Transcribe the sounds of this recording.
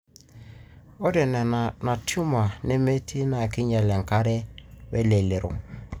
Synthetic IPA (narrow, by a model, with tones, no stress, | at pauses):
ɔ˦dɛ˨nɛ˨na˨tʰju˦ma˨ne˦me˦tʰi˦na˨kɪ˦ɲɛ˨lɛ˨ŋ̩˨ka˦ɾɛ˦wɛ˦le˨le˨ɾo̰˨